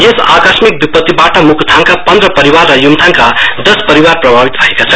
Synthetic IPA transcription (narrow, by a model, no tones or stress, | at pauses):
jesa̰kasmik̚bipʌt̪ːibaʈʌmukʰt̪ʰaŋkapʌnd̪ɾʌpʌɾiwarːʌjumt̪ʰaŋkad̪ʌspʌɾiwarprʌbʱabit̪bʌɦekat͡sʰʌ